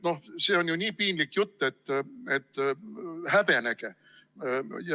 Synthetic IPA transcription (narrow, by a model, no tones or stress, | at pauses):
no̞hse̞ːo̞njunʲiːpiːnlikjut̪ːet̪ːet̪ː | hæb̥e̞næɡ̥e | j